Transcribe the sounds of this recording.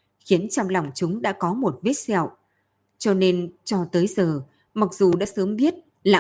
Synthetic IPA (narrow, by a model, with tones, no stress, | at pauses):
xi˨˦ənt͡ɕɔ˧wŋ͡mla˨˩wŋ͡mt͡ɕʊ˨˦ŋ͡mɗa̰ː˧˥kɔ˨˦mo˨˩t̚ve˦˥t̚sɛ˧˩w | t͡ɕɔ˧ne˧nt͡ɕɔ˧t̪əː˨˦jzəː˨˩ | ma˨˩k̚zu˨˩ɗa̰ː˧˥səː˨˦mɓi˦˥ət̚ | la̰ː˧˨